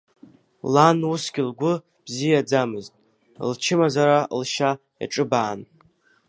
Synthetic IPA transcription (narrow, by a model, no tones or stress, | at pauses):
lanusɡʲɪlɡʷʊ | b̥zijad͡zamɨztʼ | lt͡ʃʰɪmazaɾalʃa | ja̰ʈ͡ʂʼɨbaːn